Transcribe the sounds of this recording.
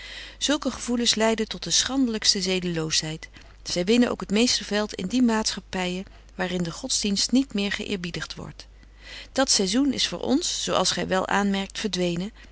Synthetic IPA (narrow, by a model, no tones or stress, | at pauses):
z̥ɵlˠkəχəv̥ulənslɛjdətɔt̚dəsχɑndələkstəzejdəlowsɦɛjt | sɛjʋɪnəno̰wkɦətmejstəvɛlˠtɪ̰ndimaːtsχɑpɛjə | ʋaːrɪndəχɔdzdinstnitmɪːɹχə̰ʔɪ̰ːɹbidəχtʋɔ̰ɹt | d̥ɑtsɛjzunɪ̰sfʊ̰ːɹʔɔ̰nsːowʔɑ̰lˠsχɛjʋɛlˠʔa̰ːnmɛɹk̚tfəɹdʋejnə